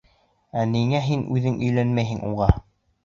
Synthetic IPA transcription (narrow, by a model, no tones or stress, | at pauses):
æniŋæɦinʉðɘŋʔɵ̆jlænmæjɦɘŋʔṵʁɑ